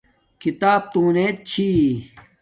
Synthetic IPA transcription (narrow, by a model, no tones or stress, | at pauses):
kit̪aːb̚t̪ũːneːt̪̚t͡ɕʰi